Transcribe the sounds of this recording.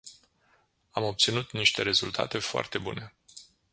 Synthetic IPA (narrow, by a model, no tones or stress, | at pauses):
amo̞p̚t̪sinut̪niʃt̪e̞ɾe̞zult̪ʰa̰t̪e̞foa̰rt̪e̞bṵne̞